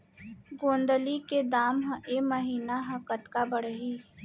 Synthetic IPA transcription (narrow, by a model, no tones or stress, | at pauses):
ɡõːnd̪əliked̪aːmɦə̃ʔeməɦiːnaɦəkət̪kabəɽəɦiː